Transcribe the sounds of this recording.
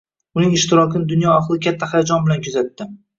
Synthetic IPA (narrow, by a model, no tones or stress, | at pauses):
ʊnɪŋɪʃt̪ɪɾɒkʰʲɪnɪd̪ʊnjɒaqlˠɪkʲʰat̪ʰːahajad͡ʒɒnbɪlankʰʊzat̪ːɪ